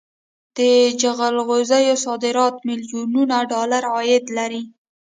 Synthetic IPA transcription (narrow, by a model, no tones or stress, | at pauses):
d̪̥əd͡ʒaɣalɣozajosɑd̪ɪɾɑt̪mɪljonunaɖɑlaɾɑjɪd̪laɾi